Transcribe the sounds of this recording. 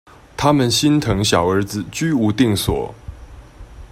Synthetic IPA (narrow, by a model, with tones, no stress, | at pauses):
t̪ʰa˦mə˨nɕi˦nt̪ʰɤ˧˥ŋɕjɑ˨˩ʊə˞˧˥d͡zɹ̩˨t͡ɕy˥u˧˥t̪i˥˩ŋswɔ̰˨˩˦